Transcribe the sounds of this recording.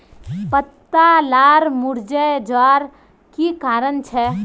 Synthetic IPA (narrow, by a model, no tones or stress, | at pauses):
pət̪ːalaɾmuɾd͡ʒəd͡ʒʋaɾ | kikaːɾənt͡ʃʰɛ